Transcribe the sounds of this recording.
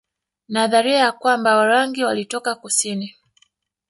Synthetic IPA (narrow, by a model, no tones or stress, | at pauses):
naðaɾiajakwambawaɾaŋɡiwalitɔkakusini